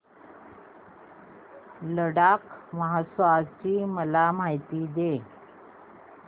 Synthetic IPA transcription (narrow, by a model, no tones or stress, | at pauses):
ləɽakməɦasʋat͡ɕiːməlamaɦit̪iːd̪e